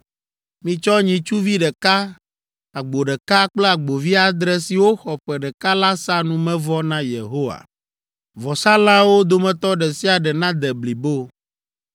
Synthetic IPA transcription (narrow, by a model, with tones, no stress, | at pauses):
mĩ˨t͡ʃɔ˦ɲĩ˨t͡ʃu˦vi˦ɖɛ˨ka˦ | a˨ɡ͡bo˨ɖɛ˨ka˦k͡ple˦a˨ɡ͡bo˨vi˦a˨d̪ɾɛ˦si˨wo˦xɔ˨ɸɛ˨ɖɛ˨ka˦la˦sa˦nũ˦mɛ̃˦vɔ˦nã˦jḛ˨ɦo˦wa̰˨ | vɔ˨sa˦lã˦wo˦d̪o˨mɛ̃˨t̪ɔ˦ɖɛ˨si˦a˨ɖɛ˨nã˦d̪ɛ˨bli˨bo˦